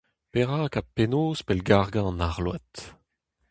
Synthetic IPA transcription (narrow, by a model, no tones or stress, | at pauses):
peʁaːkapenoːspɛlɡaʁɡɑ̃ɑ̃naʁlwa̰t̪